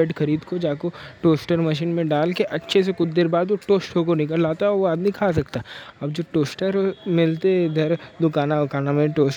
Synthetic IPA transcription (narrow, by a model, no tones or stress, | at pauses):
ɛʈxɐɾiːd̪kod͡ʒaːkoʈoːsʈəɾmɐʃ̬iːnmẽɖaːlkeʔɐtːʃʰes̬ekʊt͡ʃd̪eɾbaːd̪ʋoʈoːsʈokonɪk̬əlːaːt̪aɦɛɔʋoaːd̪nĩkʰaːs̬ɐkt̪aɦɛɐbd͡ʒoːʈoːsʈəɾmɪlt̪eɡ̪ʱɐɾd̪ʊkaːnaɐkaːnamẽʈoːs